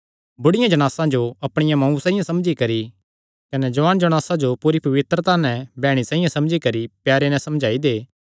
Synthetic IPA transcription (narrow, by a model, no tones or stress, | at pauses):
bʊɽɪjãd͡ʒɐɽ̃aːsãd͡ʒoɐpɽ̃ɪjãmɐ̃ũsãːĩjãsɐmd͡ʒikɐɾi | kɐnɛd͡ʒɐʋaːnd͡ʒɐɽ̃aːsãd͡ʒopuːɾipɐʋɪt̪ɾət̪aːnɛ̃bɛːɽ̃isãːĩjãsɐmd͡ʒikɐɾipjaːɾenɛ̃sɐmd͡ʒʱaːid̪eː